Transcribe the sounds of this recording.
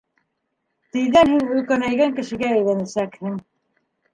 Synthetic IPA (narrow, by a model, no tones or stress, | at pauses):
t̪ɘ̆jðænhinʉ̆lkænæjɡæŋkɘ̆ʃɘ̆ɡææjlænæsækhɘŋ